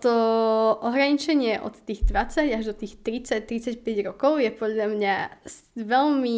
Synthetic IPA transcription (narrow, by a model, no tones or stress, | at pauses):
t̪ɔʔɔɦɾaɲit͡ʃɛɲɪɛʔɔ̰t̪ːiːɣd̪ʋat͡saɟaʒd̪ɔt̪iːxt̪ɾit͡sac̚t̪ːɾit͡sacpɛɟɾɔkɔʊjɛpɔd̪ʎamɲasʋɛlmi